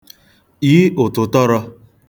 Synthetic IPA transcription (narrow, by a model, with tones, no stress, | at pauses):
i˦ʊ˨tʊ˨tɔ˦ɾɔ˧